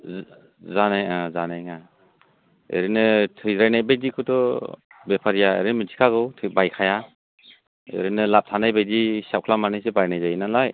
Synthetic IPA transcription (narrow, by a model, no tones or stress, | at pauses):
zanajazanajŋa | ḛɾinɯtʰɯjɾajnajbajdikʰɯtɔbepʰaɾijaḛɾinmitʰi̥kʰaɡɯwtʰɯbajkʰaja | ḛɾinɯlap̚tʰanajbajdisap̚kʰlamanɯjsebajnajzajnalaj